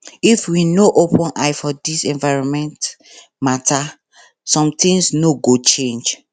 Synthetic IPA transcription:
ifwinoʔopɔ̃nʔaɪfɔdisɛ̃nvaɪɹɔ̃nmɛ̃nt | mata | sɔ̃mt̪ĩŋsnoɡot͡ʃẽnd͡ʒ

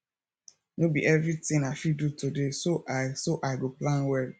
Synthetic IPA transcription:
nobḭʔɛvɹitɪ̃ŋaɪfidutʰudesoʔasoʔaɪɡoplãnwɛɹi

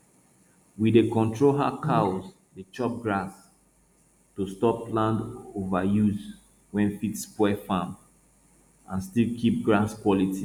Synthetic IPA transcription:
widekɔ̃ntʰɹolɦakʰaoz | det͡ʃɔp̚ɡɹas | tustɔplãndovajuz | wɛ̃nfitspwɛfãm | ãnstilkʰip̚ɡɹaskwɔliti

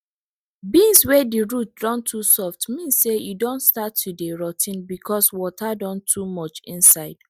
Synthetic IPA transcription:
bĩnswɛdiɹut̚dɹɔ̃ntʰusɔftmĩnssejudõntstatʰːudeɹɔtʰĩnbikʰɔswɔtʰadɔ̃ntʰumɔt͡ʃḭ̃nsaɪd̥

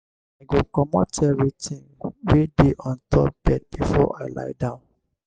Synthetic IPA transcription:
aɡokɔmɔtɛvɹitĩŋɡwedeʔɔ̃ntʰɔp̚b̥ɛd̚b̥ifɔʔa̰ɪla̰ɪdãʊ̃n

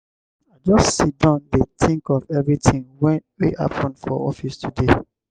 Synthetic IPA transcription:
aɪd͡ʒɔssit̚dãʊ̃ndetʰĩŋkɔvɛvɹitʰĩŋwɛ̃nweʔa̰pʰɔ̃nfɔ̰ɔfistʰude

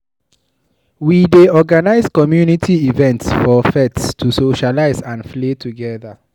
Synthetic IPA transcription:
wideɔɡanaɪzkɔmjunitʰiivɛ̃ntsfɔfɛtstʰusoʃalaɪzãnfletʰuɡɛða

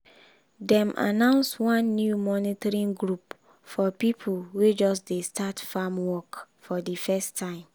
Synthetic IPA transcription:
dɛ̃mʔa̰nãʊ̃nswɔ̃nːjumɔnitɔɹĩnɡɾup | fɔpipʰuwed͡ʒɔsdestʰatfamwɔkfɔdifɛstʰːãɪ̃m

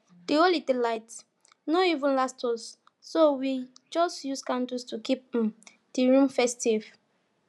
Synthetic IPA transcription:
d̥iolidilaɪt | noivə̃nlastʰɔs | sowid͡ʒɔstjuskãndustukip̚ | d̥iɹũmfɛstiv

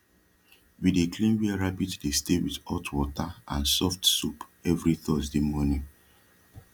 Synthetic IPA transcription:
widekʰlĩmwiɛɹabitdestewiðɔtʰwɔtaãnsɔftsupɛvɹiθɔzdimɔnĩ

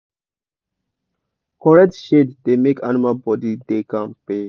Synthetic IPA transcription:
kɔɹɛk̚tʃeddemekʰanimalbɔdidekãnpe

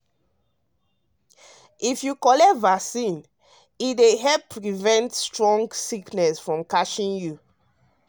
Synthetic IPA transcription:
ifjukɔlɛvasĩn | ideɦɛppːɹivɛ̃ntstɹɔ̃ŋɡsiknɛsfɹɔ̃mkaʃĩnju

